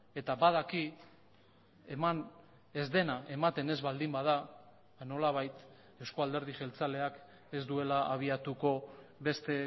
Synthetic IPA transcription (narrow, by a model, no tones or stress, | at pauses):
e̞t̪abaðaki | eman | e̞zd̪e̞nae̞mat̪e̞ne̞zβald̪imbaða | no̞laβ̞ajt̪ | e̞wsko̞ald̪e̞ɾð̞iʝe̞lt͡sale̞ak | e̞zd̪ue̞laaβ̞iat̪uko̞βe̞st̪e̞